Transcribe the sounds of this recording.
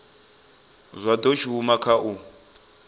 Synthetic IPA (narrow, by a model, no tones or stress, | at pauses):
zʷad̪ɔt͡ʃʰiumakʰaʔu